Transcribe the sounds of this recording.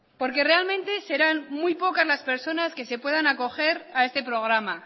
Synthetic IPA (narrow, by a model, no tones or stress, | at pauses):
po̞ɾke̞re̞almẽnt̪e̞se̞ɾanmujpo̞kazlaspe̞ɾso̞naske̞se̞pwe̞ðanako̞xe̞ɾae̞st̪e̞pɾo̞ɣ̞ɾama